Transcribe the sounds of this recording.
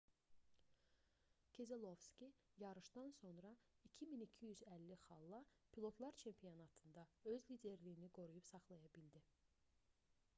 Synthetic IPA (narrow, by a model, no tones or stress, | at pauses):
cʰe̞ze̞lˠo̞vscʲijɑɾɯʃd̪ɑnso̞nɾɑicʰiminicʰijyzælːiχɑlˠːɑ | pʰilˠo̞t̪ʰlˠɑɾt͡ʃʰe̞mpʰijonɑt̪ʰɯnd̪ɑø̞zlid̪e̞ɾlijiniɡo̞ɾujupsɑχlˠɑjɑbild̪i